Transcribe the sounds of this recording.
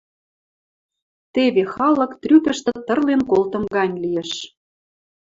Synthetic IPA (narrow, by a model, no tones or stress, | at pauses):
t̪eβexɑlɤ̆kt̪rykə̆ʃt̪ĕt̪ə̆rlenkolt̪ə̆mɣɑnʲlijeʃ